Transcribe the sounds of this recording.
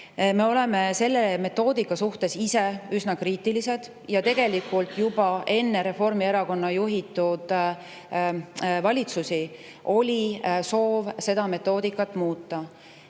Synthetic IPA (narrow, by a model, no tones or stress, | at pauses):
me̞o̞le̞me̞se̞lːe̞me̞t̪ːˑo̞ːd̪ikːˑɑsuht̪e̞siseysnɑkriːt̪ːˑilise̞d̪̥ | jɑt̪e̞ɡ̥e̞likːˑult̪ˑjubɑʔe̞nːe̞ɾe̞fo̞rmieɾɑko̞nːɑjuɦit̪ːˑud̪̥ | vɑlʲit̪susi | ʔo̞lʲiso̞ːvse̞d̪̥ɑme̞t̪ːˑo̞ːd̪ikːˑɑt̪ːˑmuːt̪ːˑɑ